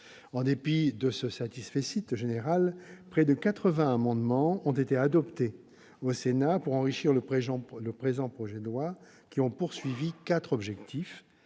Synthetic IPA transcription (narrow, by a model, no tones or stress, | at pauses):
ɑ̃d̪epid̪əsəsat̪isfesit̪ʒeneʁalpχɛd̪əkat̪χəvɛ̃amɑ̃d̪mɑ̃ɔ̃t̪et̪ead̪ɔpt̪e | osenapuʁɑ̃ʁiʃiʁləʒ̃ləpχezɑ̃pχɔʒɛd̪əlwa | kʲiɔ̃puʁsɥivikat̪χɔbʒɛkt̪ʰif